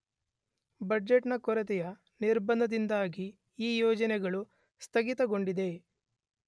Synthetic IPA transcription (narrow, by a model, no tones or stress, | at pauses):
bɐd͡ʒeʈnɐkɔɾɐt̪̬ɛjɐ | niɾbɐnd̪ɐd̪ind̪aːɡi | iːjɔːd͡ʒɐnɛɡɐɭu | st̪ʰɐɡit̪ɐɡo̞ɳɖid̪e̞